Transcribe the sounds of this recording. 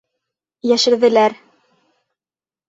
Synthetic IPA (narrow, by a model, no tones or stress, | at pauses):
jæʃɘ̆ɾðɘ̆læɾ